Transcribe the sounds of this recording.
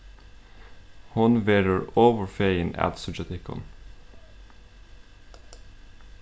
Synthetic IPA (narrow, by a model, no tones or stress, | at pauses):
hʊnʋeːɖəɹoːʋəɹfeɪɪnæ̰t̪sʊd͡ʒɛt̪ʰɪkɔ̰n